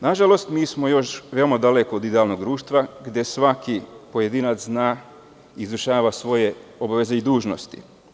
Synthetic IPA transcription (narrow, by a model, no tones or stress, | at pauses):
naʒalo̞st̪miːsmo̞jo̞ʃʋe̞omad̪alekoːd̪id̪ealnoɡ̚d̪ɾuːʃt̪ʋaɡd̪je̞sʋakipo̞je̞d̪inat̪znaː | iːzɾuʃaːʋasʋo̞je̞o̞baʋe̞ze̞id̪uːʒno̰st̪ḭ